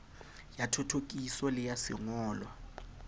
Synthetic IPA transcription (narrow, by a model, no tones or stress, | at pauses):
jatʰɔtʰok̬ʼisɔlɪjasɪ̰ŋɔːlwa